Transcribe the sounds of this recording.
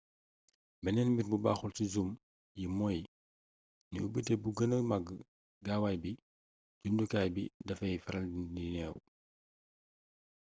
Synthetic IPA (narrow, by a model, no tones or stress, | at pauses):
bɛnɛnmirbuba̰ːxulsizum | jimɔj | niubətebuɡənəmaɡə | ɡaːwaːjbi | ɟundukaːjbḭdɐfɐjfɛɾɐlininɛw